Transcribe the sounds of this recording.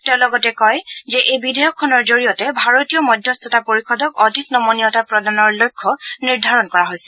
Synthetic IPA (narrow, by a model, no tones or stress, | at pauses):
tɛʊ̃lɔɡɔtɛkɔjzɛʔejbidɛjɔkʰːɔnɔɹzoɹijɔtɛbʱaɹotijɔmɔdʱjɔst̪ʰɔtapoɹixɔdɔkɔdʱiknɔmonijɔtapɹɔdanɔɹlojkʰːɔniɹdʱaɹɔnkɔɹaɦojsɛ̥